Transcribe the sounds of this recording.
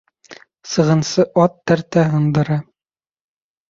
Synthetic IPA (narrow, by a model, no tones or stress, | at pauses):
sɤ̆ʁɤ̆nsɤʔɒt̪ːæɾt̪æɦɤ̆nd̪ɤ̆ɾɑ